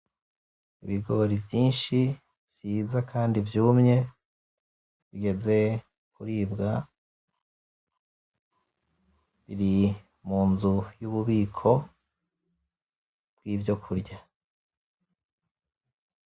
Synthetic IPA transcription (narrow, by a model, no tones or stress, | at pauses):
iβiɡo̞ɾivjiːnʃi | vjiːzakʰaːndivjuːmɲe̞ | βiɡe̞ze̞ | kuɾiːbɡa | βiɾi | muːnzujuːβuβiːkʰo̞ | bɡiːvjo̞kʰuɾɟa